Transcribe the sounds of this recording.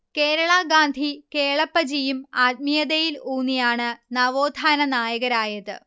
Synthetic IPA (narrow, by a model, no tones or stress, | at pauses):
keːɾɐɭɐɡaːnd̪ʱike̞ːɭɐpːɐd͡ʑijumaːd̪̚mijɐðɐjiluːnːijaːɳɨnɐʋoːd̪ʱaːnɐnaːjɐɣɐɾaːjɐðɨ̰